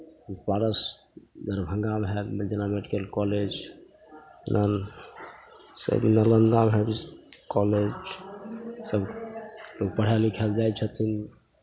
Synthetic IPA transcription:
paɾəsd͡ʒəɾbʱəŋɡamɦɛmd͡ʒenameɖikəlkɔled͡ʒ | nʔan | sə̰bnələnd̪amɦɛbkɔled͡ʒ | səbloɡ̚pəɽ̤alikʰɛld͡ʒajt͡ʃʰət̪ʰin

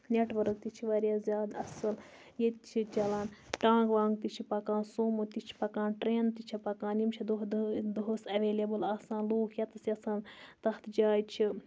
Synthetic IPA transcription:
nʲeʈʋɐɾk̚t̪it͡ʃʰiʋɐɾʲjazʲjaːd̪ɐsɐl | jet̪t͡ʃʰit͡ʃɐlaːnʈãːɡʋãːŋɡt̪it͡ʃʰipɐkãːnsoːmot̪it͡ʃʰi̥pɐkãːnʈɾeːnt̪it͡ʃʰipɐkãːnjimt͡ʃʰid̪od̪oɦosɐʋeːlʲebɨlaːsãːnloːkʰjɐt̪ɐsjɐsãːnt̪ɐxt̪ʰd͡ʒaːjt͡ʃʰi

